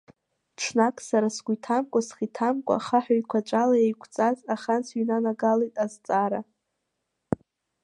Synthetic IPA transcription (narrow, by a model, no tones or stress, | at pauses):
ʈ͡ʂʰnakʼsaɾasɡʷujtʰamkʷʼasχitʰamkʷʼa̰χaħᶣajkʷʰat͡ʃʷʼalajejkʷʰʼt͡sʼazaχant͡sʰɥnanaɡalejtʼazt͡sʼaɾa